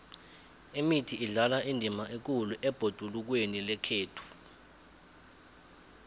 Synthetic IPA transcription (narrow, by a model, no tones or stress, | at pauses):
emitʰiʔiɮalaʔindʱimaʔek̬uluʔɛb̥ʱod̥ʱuluk̬wenilɛkʰeːtʰu̥